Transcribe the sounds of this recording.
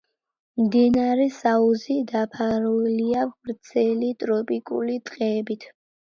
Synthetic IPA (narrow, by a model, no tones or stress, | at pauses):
md̪inaɾɛsauzid̪apʰaɾuɛliabɾt̪sʰɛlit̪ʼɾɔpʼikʼṵlit̪ʼqʼɛːbit̪ʰ